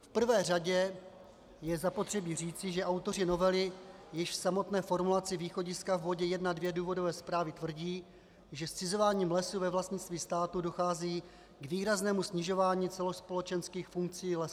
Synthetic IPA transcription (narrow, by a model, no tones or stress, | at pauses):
fpr̩vɛːraɟɛ | jɛzapo̞t̪r̥ɛbiːriːt͡sɪʒɛʔawt̪o̞rɪno̞vɛlɪjɪʃfsamo̞t̪nɛːfo̞ɾmulat͡sɪviːxo̞ɟɪskavvo̞ɟɛjɛdnadvjɛduːvo̞dovɛːspɾaːvɪt̪vr̩ɟiː | ʒɛst͡sɪzo̞vaːɲiːmlɛsuvɛvlast̪ɲɪt͡st̪viːst̪aːt̪udo̞xaːziː | ɡviːɾaznɛːmusɲɪʒo̞vaːɲiːt͡sɛlo̞spo̞lɛt͡ʃɛnskiːxfuŋk̚t͡siːlɛs